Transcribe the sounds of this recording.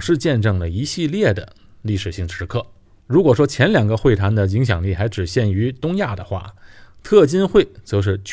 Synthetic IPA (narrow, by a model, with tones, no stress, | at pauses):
ʂɻ̩˥˧t͡ɕjɛ˥˧nʈ͡ʂɤ˥˩ŋlə˩i˧˥ɕi˥˧ljɛ˥˩d̪ə̰˩ | li˥˩ʂɻ̩˨˩ɕi˥˩ŋʈ͡ʂʰɻ̩˧˥kʰɤ˥˩ | ɻu˧˥kwɔ˨˩ʂ̬wɔ˥t͡ɕʰjɛ˧˥nljɑ˨˩ŋɡə˧xwe˥˩ɪt̪ʰa˧˥nd̪ə˧i˧˥ŋɕ̬jɑ̰˨˩ŋli˥˩xa˧˥ɪʈ͡ʂɻ̩˨˩ɕjɛ˥˩ny˧˥t̪ʊ˥ŋja˥˩d̪ə˩xwa̰˥˩t̪ʰɤ˥˩t͡ɕi˥nxwe˥˩ɪt͡sɤ˧˥ʂ̬ɻ̩˥˩t͡ɕ